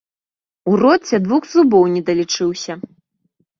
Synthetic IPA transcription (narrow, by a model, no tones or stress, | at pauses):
urɔt͡sʲːɛd̪vuxzubɔwnʲɛd̪ɐlʲit͡ʂɨwsʲɐ